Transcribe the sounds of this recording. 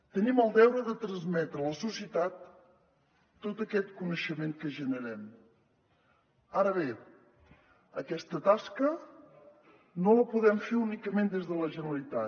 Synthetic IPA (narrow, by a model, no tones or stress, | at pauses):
t̪əniməlˠd̪ɛwɾəðət̪ɾənzmɛt̪ɾələsusiət̪at̪ | ot̪əkɛt̪kunəʃəmeŋkəʒənəɾɛm | aɾəβe | əkɛst̪ət̪askə | noləpuðɛmfeunikəmend̪ezðələʒənəɾəlit̪a